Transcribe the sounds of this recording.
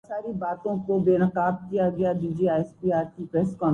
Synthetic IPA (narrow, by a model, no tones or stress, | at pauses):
saːɾibaːt̪õkobeːnəqaːb̚kijaɡɐjad͡ʒiːd͡ʒiaːɛspiːaːɾtipɾeːskɔ̃ː